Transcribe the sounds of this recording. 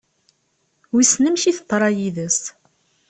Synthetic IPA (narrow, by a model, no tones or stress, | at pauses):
wisnəmçiθət̪ˤːɾˤɑjiðəs